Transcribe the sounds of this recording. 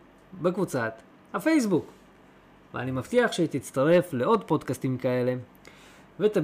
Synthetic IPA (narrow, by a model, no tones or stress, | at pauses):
bekvut͡sat̪ | hafe̞js̬buk | vḛa̰nimaft̪iaχʃet̪it͡st̪aʁe̞fle̞o̞d̪po̞dkast̪imkae̞le̞ | vet̪a